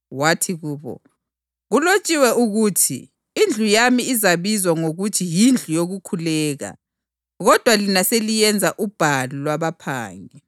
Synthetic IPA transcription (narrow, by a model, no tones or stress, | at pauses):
watʰiɣuːβɔ̰ | ɣulot͡ʃʼiwɛʔuɣutʰḭː | nd͡ɮʱujamiizaβizwaŋoɣutʰijind͡ɮʱujoɣukʰulɛːɣa̰ | ɣɔd̥ʱwalinaselijɛnd͡zʱaʔub̥ʱalɔlwaβapʰa̰ːŋɛ